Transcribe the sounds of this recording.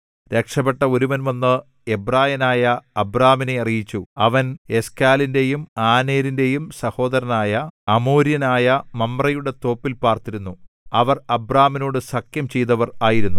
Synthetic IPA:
ɾe̞kʂɐpeʈːɐo̞ɾuʋɐnʋɐnːɨ | e̞braːjɐnaːjɐːbraːmineɐrijit͡ɕːuɐʋɐne̞skaːlinde̞jumaːne̞ːɾinde̞jumsɐho̞ːd̪ɐɾɐnaːjɐɐmoːɾjɐnaːjɐmɐmːrɐjuɽe̞t̪o̞ːpːilpaːrt̪iɾunːu | ɐʋɐrɐbraːmino̞ːɽɨsɐkjɐmt͡ɕejt̪ɐʋɐraːjiɾunːu

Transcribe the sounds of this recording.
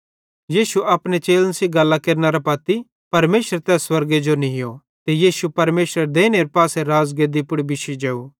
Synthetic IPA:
jiːsuʔɐpnet͡ʃeːlənsiɡɐlːakeːɾnaɾapɐt̪i | pɐɾmeːʃɾet̪ɛːsːwɐɾɡed͡ʒonĩɦɪjo | t̪ejiːsupɐɾmeːʃɾəɾd̪eːñeɾpaːseɾaːzɡeːd̪ipʊɽibɪʃid͡ʒɛːuː

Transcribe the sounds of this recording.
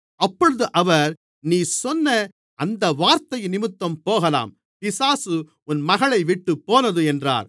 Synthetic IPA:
ɐpːɔɻɯðɯʔɐʋɐɾ | niːsɔnːɐ | ʔɐnd̪ɐʋaːɾt̪ɐjnɪmɯt̪ːɐmpoːɣɐla̰ːm | pɪsaːsɯ | ʊnmɐɣɐɭɐɪʋɪʈːɯpːoːnɐðɯɛndra̰ːɾ

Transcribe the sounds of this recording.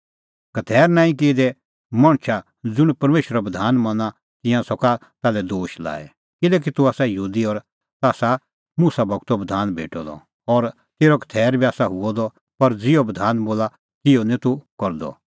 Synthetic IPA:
kɐt̪ʰɛːɾnãːĩk̬eːd̪ɛ | mãːɽ̃t͡ʃʰa | d͡zʊɽ̃pɐɾmeːʃɾabɐd̪ʱaːnmɐ̃nã | t̪ɪ̃jãsɔka | t̪aːlɛd̪oːʃla̰ːɛ̰ | kɪlɛːk̬it̪uaːsajɐɦuːd̪iɔːɾ | t̪aːsa | muːsabʱɐɡt̪obɐd̪ʱaːnbʱḛːʈɔd̪ɔ̰ | ɔːɾ | t̪eːɾɔkɐ̥t̪ʰɛːɾbiaːsaɦʊɔd̪ɔ | pɐɾd͡zɪɔbɐd̪ʱaːnboːla | kɪonɛ̃t̪ukɔɾd̪ɔ̰

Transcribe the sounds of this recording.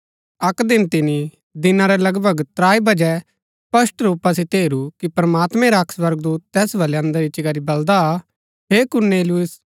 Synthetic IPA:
ɐkd̪ɪnt̪ɪni | d̪ɪnãɾɛlɐɡbʱəɡt̪ɾaːibɐd͡ʒɛ | pɐsʈɾuːpas̬it̪eːɾukipɾɐmaːt̪mɛ̃ɾaɐkʰsʋɐɾɡd̪uːt̪t̪ɛːsbɐleɐ̃nd̪əɾit͡ʃɪɡaɾibɐld̪a | ɦeːkʊɾneːlɪʊs

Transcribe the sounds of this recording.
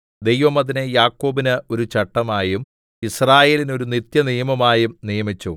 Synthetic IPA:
d̪ejʋɐmɐðinejaːkːo̞ːbinɨo̞ɾut͡ɕɐʈːɐmaːjum | israːje̞ːlinoɾunit̪jɐnijɐmɐmaːjumnijɐmit͡ɕːu

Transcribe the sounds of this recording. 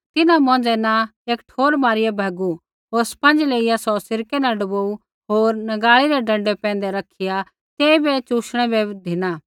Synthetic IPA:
t̪ɪnãmɔ̃ːd͡zɛnaeːkʈʰoːɾmaːɾɪjɛbʱɛɡu | ɦoːɾspɐ̃nd͡ʒleːɪjasɔsɪɾkɛnãɖɐboːu | ɦoːɾnɐɡaːɭiɾɛɖɐ̃ɳɖɛpɛ̃ːnd̪ɛɾɐkʰɪja | t̪eːibɛt͡ʃuːʃɽ̃ɛbɛd̪ʱɪñaː

